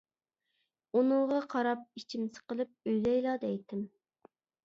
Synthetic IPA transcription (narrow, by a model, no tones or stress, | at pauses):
unʊʁɑqʰɑɾɑp̚it͡ʃʰimsɨ̥qəlˠɨp̚øjlɛjlˠɑd̪ɛjt̪ʰɪm